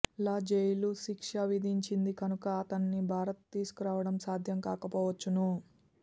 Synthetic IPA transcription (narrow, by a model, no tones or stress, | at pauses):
laːd͡ʒejluʃikʂɐʋid̪ʱiɲt͡ʃind̪ikɐnukɐːt̪ɐnːibʱaːɾɐt̪t̪iːsu̥kuɾaːʋɐɽɐmsaːd̪ʱjɐmkaːkɐpɔːʋɐt͡ʃːunu